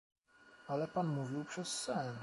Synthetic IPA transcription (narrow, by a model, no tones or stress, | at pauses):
ʔalɛpanmuvɪlprɛsːɛn